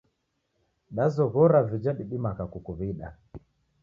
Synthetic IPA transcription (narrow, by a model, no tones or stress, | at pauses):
ɗazɔɣɔɾavid͡ʒaɗiɓimaɣakukuβiɗa̰